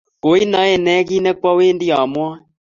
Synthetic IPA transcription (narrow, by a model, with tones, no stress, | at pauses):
ko˨˦i˦na˨˦ɛ˨nɛ˦ɣi˦nɛ˦k͡pa˦weː˦ndi˦a˨mwa˦